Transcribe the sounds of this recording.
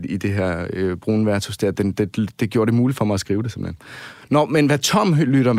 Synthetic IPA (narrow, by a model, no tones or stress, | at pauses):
id̥e̝ɦæɐ̰øb̥ʁunəʋæɐt͡sʰusd̥eɐd̥end̥e̥d̥e̝ɡ̥jo̝ːɐɾ̥e̝muːlid̥fɒ̽mɑɪæsɡ̥ʁiːʊd̥ɾesem̩hennɒmenʋæt͡sʰɒ̽m̰lyɾ̥ɐ